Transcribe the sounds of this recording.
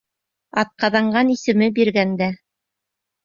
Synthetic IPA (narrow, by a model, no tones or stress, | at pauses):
ɑt̪̚qɑðɑɴɢɑnisɘ̆mɘbiɾɡænd̪æ